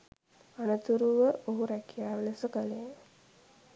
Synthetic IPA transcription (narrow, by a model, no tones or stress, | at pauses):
anət̪uɾuʋəoɦuɾækijaːʋeləsəkəlej